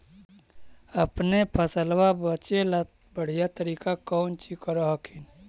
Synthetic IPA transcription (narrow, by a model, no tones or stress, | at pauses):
əpnepʰəsəlwabət͡ʃela | bəɽ̤ijat̪əɾiːkakɔʊnt͡ʃikəɾoɦkʰin